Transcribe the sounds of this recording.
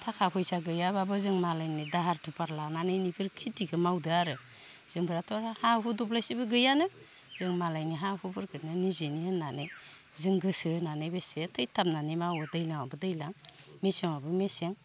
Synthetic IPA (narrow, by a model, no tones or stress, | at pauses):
tʰakʰahʰɔjsaɡɯjababɯzɯŋmalajnidaɦaɾtʰupaɾlananɯjnipʰɯɾkʰitiɡɯmawdɯaɾɯ | z̥ɯŋbɯɾatʰɔɾahaɦudɔplajsibɯɡɯjanɯ | zɯŋmalajniɦaɦubʰɯɾkʰɯɾnanizenihɯnːanɯj | zɯŋɡɯsɯnanɯjbesetʰɯjtʰapm̚nanimawɯdɯjlaŋabɯdɯjlaŋmeseŋabɯmeseŋ